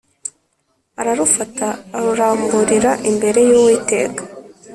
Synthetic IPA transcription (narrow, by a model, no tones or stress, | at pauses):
aɾaɾufataɾuɾaːmbuɾiɾaʔimbe̞ɾe̞juːwiːte̞̰ːkḁ